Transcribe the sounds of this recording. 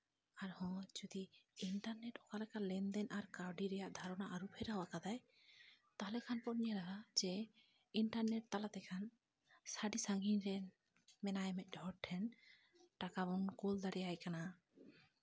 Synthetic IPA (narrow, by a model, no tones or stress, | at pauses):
aɾhɔ̃d͡ʒud̪iiɳʈaɾnɛʈɔkalɛkalɛnd̪ɛnaɾkaɾɖiɾɛjaʔd̪ʱaɾɔnaʔaɾupʰɛɾɦawakad̪aj | t̪alɛkʰanpɔtɲiaɾaɦad͡ʒɛ | iɳʈaɾnɛʈ̚t̪alat̪ɛkʰan | saɖisaŋɡiɲɾɛ | mɛnajmɛc̚ˀdʱɔɾʈʰːɛn | ʈakabɔnkuld̪aɽɛjajkana